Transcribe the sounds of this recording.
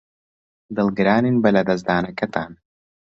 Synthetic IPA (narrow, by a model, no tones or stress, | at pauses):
d̪ɨlˠɡɾaːninbɐlʲad̪ɐzd̪aːnɐkɐt̪aːn